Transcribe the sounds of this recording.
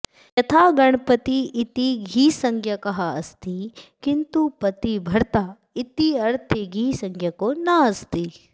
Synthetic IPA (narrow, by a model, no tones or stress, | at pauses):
jɐt̪ʰaːɡɐɳpɐt̪iːt̪iɡʱiːsɐŋɡʱjɐkɐɦɐɐst̪ikint̪upɐt̪ibʱɐɾt̪a | it̪iɐɾt̪ʰiɡʱiːsɐŋɡʱjɐkoːnaɐst̪i